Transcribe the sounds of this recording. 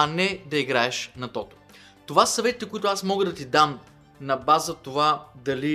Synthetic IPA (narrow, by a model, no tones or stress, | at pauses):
ɐnɛd̪ɐiɡɾaɛʃnɐt̪ɔt̪o̥ | t̪ovasɐvɛt̪ʲit̪ɛkʊit̪ʊasmɔɡəd̪ɐt̪id̪am | nɐbazət̪ovad̪ɐli